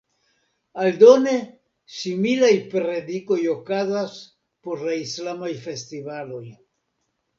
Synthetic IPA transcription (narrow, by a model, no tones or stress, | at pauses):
aldo̞ne̞ | similajpɾe̞diko̞jo̞kazas | po̞ɾlaislamajfe̞stivalo̞j